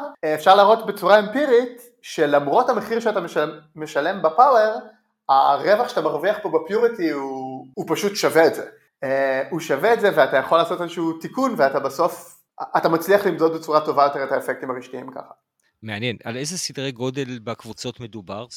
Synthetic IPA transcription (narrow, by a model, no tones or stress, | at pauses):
efʃaʁlaːʁo̞tbet͡suʁaempiʁit | ʃe̞lamʁo̞thameχiʁʃeatameʃaːeʃale̞mbepawe̞ʁ | a̰ʁe̞vaχʃeḁt̪amaʁviaχpo̞bepjuʁitiuːpaʃutʃaveːtzḛ | euʃaveːtzeveatajaχo̞lːaːso̞tezeʃuuːtikunveatabaso̞f | atamat͡sliaχlimdod̪̚bet͡suʁatovajo̞t̪eʁethaefek̚t̪imaʁiʃtiimka̰χḁ | meanjena̰lejzesid̪ʁeɡo̞delbekvut͡so̞tmedubaʁ